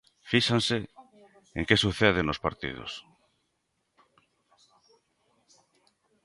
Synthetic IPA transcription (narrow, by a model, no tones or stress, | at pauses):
fiʃanse | eŋkesuθeð̞enospaɾt̪ḭð̞o̰s